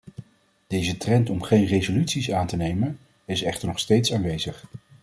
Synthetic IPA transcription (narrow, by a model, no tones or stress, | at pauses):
d̥ejzətrɛntɔmχejnrejzolytsisaːntənejmən | ɪsɛχtəɹnɔχstejtsaːnʋejzəχ